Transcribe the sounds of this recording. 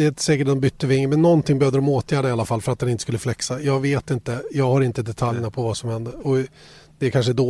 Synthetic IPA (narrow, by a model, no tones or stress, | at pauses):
ɛsɛːkəʈd̪ɔmbʏt̪ːəvɪŋːəmɛnːɔnt̪ʰɪŋbɛhœvd̪əd̪ɔmoːt̪jæːɖaɪalːafalːfœɾat̪̚d̪ɛnɪnt̪ə̥skɵlːəflɛksajɑːɡveːt̪ɪnt̪əjɑːɡhaɾɪnt̪əd̪ɛt̪ʰaljnapʰɔvasɔmhɛnd̪əɾɔ | d̪̥ɛækʰanʂ̬əd̪oː